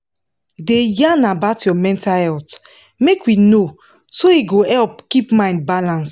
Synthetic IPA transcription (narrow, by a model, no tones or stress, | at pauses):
dejanabaʊtjɔmɛ̃ntahɛlt | mekwino | soiɡohɛlpkipmãɪ̃nd̚balãns